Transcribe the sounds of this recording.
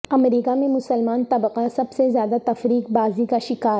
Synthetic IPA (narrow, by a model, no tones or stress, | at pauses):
ɐmɾiːkamẽmʊsəlmaːnt̪ɐbqasɐbsezjaːd̪at̪ɐfɾiːq̚baːzikaʃɪkaːɾ